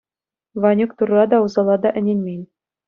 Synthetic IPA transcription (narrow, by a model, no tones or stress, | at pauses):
ʋɑnʲukt̪urːɑd̪ɑuzɑlˠɑd̪ɑʔɘ̆nʲenʲmʲenʲ